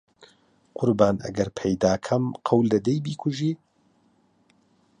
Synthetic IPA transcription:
qʰʊɾbaːnʔɐ̰ɡɐɾpʰɐjd̪aːkʰɐmqʰɐwlːɐd̪ejbiːkʰʊʒiː

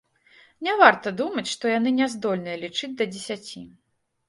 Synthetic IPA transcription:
nʲɛvart̪ɐd̪umɐt͡sʲʂt̪ɔjan̪ɨnʲɛzd̪ɔlʲnɨjɐlʲit͡ʂɨd͡zʲd̪ɐd͡zʲɛsʲat͡sʲi

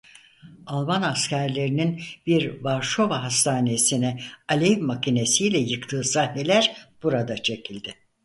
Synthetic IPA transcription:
alˠmanascæɾlʲe̞ɾininbiɾvaɾʃo̞vaɦast̪ʰaːnesinɛalʲevmacʰine̞sijlʲɛjɯkt̪ʰɯːsahne̞lʲæɾb̥uɾad̪at͡ʃʰe̞cʰilʲd̪ɪ

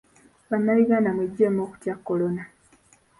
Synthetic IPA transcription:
βanːaβiɡaːndamweɟːemoːku̥tjakːo̞lo̞na

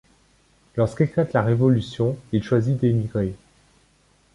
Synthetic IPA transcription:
lɔʁskeklat̪laʁevɔlysjɔ̃ilʃwazid̪emiɡʁe

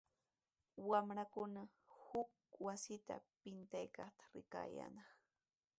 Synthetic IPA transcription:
wamɾakʊnahʊk̚ | wasɪt̪a̰pɪnt̪ajkɑχt̪ḁɾɪka̰ːja̰nɑχ

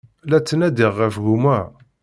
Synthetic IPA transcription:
læt͡sːənæd̪iʁːæfɣumæ

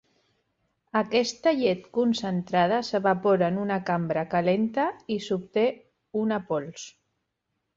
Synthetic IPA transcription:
akɛst̪əʎet̪kunsənt̪ɾað̞əsəβapoɾanunakambɾakalent̪əisup̚t̪e | unapols

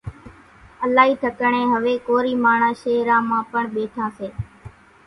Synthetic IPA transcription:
əlaːɦiːt̪ʰəkəɳẽːɦəʋeːkoːɾiːmaːɳaːʃeːɾãːmãːpəɳɓeːʈʰãːseː

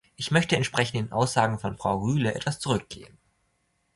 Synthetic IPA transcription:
ʔɪçmœçtəɛntʃpʁ̥ɛçn̩tɪnʔa̰ʊsz̥aːɡŋ̩fɔnfʁ̥aʊʁyːləʔɛ̰tv̥ast͡suʁʏk̚ɡ̥ḛːən

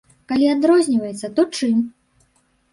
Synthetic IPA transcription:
kalʲiad̪ɾɔzʲnʲivɐjɛt̪sːɐt̪ɔt͡ʂɨmʲ

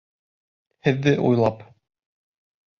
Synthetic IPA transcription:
hɘ̆ðːɘʔujlˠɑp

